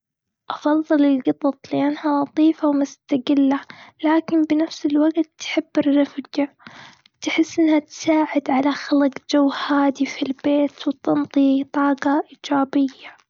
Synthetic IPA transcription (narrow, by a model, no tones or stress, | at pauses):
ʔɑfɑðˤːɨlɪlɡɑt̪ˤɑt̪ˤliʔanːhawɑt̪ˤiːfawmʊst̪aɡɪlːalaːkɪnbɪnafsɪlwaɡt̪ːħɪbːɪrːɑfɡ | t̪ħɪsːʔɪnːhat̪saːʕɪd̪ʕalaxalqd͡ʒawːhaːd̪ifilbeːt̪wt̪ɑnt̪ˤit̪ˤɑːqɑʔiːd͡ʒaːbɪjːa